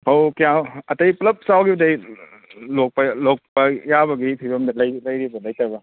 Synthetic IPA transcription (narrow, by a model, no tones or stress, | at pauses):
hʰawkijamɐtɐjplɐp̚sawɡibdɐj | lok̚pɐlɔk̚pɐjabɐɡipʰiɾɐmdɐlɐjlɐjɾibɐlɐjtabɐ